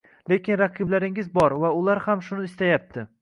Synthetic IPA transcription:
le̞kʲɪnɾɑqʰɨblaɾɪŋɪzbɒɾvaʊlˠaɾhamʃʊnɪɪst̪ajap̚t̪ʰɪ

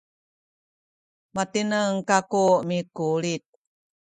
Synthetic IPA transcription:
mat̪inəŋkakumikulit̪̚

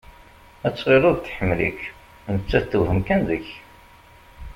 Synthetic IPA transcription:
æt͡sːʁeɾʊɾt̪ːħəmːlḭk | nət͡sːæθθəwhəmkænðəç

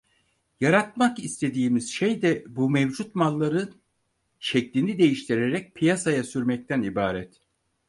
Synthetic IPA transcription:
jaɾat̪̚makist̪ʰe̞d̪iːmiz̥ʃejd̪ɛbumɛvd͡ʒut̪malˠːaɾɯn | t͡ʃʰɛc̚linid̪e̞jiʃt̪ʰiɾeɾɛc̚pʰijasajasyɾmɛc̚t̪ʰænibaːɾɛt̪

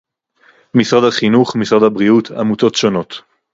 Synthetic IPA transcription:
misʁad̪haχinuχmisʁad̪abʁiuta̰muto̞tʃo̞no̞t

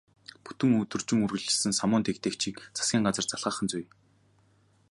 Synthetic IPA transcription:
pu̥t̪ɵ̆ŋɵt̪ɵ̆rt͡ɕɪ̆ŋɵrɣɘ̆ɮɪ̆sɘ̆nsamʊːnt̪ekt̪eːkt͡ɕʰiːkt͡sʰḁskʲiːŋɢat͡sə̆rt͡saɮʁaːχənt͡suj

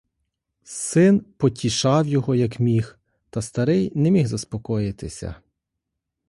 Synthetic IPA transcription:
sɪnpɔtʲiʃɑwjɔɦɔjɐkmʲix | t̪ɐst̪ɐɾɪjnɛmʲiɣzɐspɔkɔjɪt̪ɪsʲɐ̰

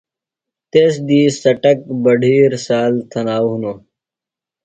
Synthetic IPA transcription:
t̪eːsd̪iːsɐʈɐk̚bɐɖʱiːɾsaːlt̪ʰɐnaːwɦunoː

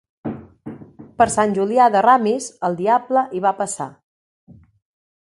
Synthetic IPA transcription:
pəɾsanʲʒuliaðəramizəlˠd̪iabləʔiβapəsa̰

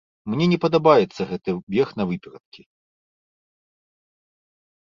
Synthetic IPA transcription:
mnʲɛnʲɛpɐd̪ɐbajɛt̪sːɐɣɛt̪ɨwbʲɛxn̪ɐvɨpʲɛɾɐt̪̚kʲi

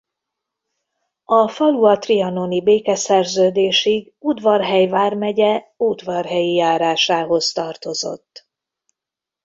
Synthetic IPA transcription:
ɒfɒluɒt̪riɒno̞nibeːkɛsɛrzøːd̪eːʃiɡ | ud̪vɒrɦɛjvaːrmɛɟɛ | ud̪vɒrɦɛjijaːɾaːʃaːɦo̞st̪ɒrt̪o̞zo̞̰t̪ː

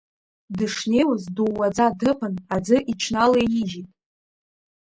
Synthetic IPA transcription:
dɨʂne̞jwʊzduwːad͡zadɨpʰɨnad͡zɨʔit͡ʃʰnalajiʒitʼ

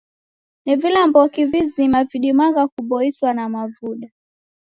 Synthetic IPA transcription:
nivilambɔkivizimaviɗimaɡakuɓɔiswanamavuɗa

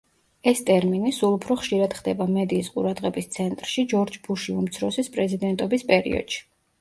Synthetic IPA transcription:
ɛst̪ʼɛɾminisulˠupʰɾɔχʃiɾad̪̥χd̪ɛbamɛd̪iːsqʼṵɾad̪ʁɛbist̪sʰɛnt̪ʼɾʃid͡ʒɔɾd͡ʒbuʃiumt̪sʰɾɔsispʼɾɛzid̪ɛnt̪ʼɔbispʼɛɾḭɔ̰d̪̥ʃi̥

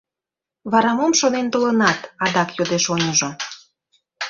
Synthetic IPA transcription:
βɑɾɑmomʃonent̪olənɑt̪ɑd̪ɑkjod̪eʃonʲəʒo

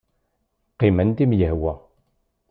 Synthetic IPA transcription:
qːimænd̪imjəhwæ

